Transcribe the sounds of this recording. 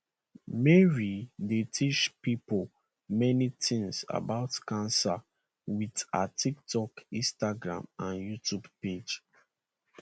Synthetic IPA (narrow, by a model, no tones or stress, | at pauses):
mɛɹidetʰit͡ʃpipol | mɛnitĩŋsa̰baʊtkãnsa | wida̰tʰik̚tɔkĩstaɡɹã̰mãnjutʰubped͡ʒ